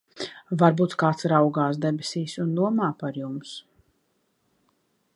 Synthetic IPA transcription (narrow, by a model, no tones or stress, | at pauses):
vaɾbuːt̪kaːt̪sɾawɡaːsd̪ɛbesiːsund̪uɔmaːpaɾjums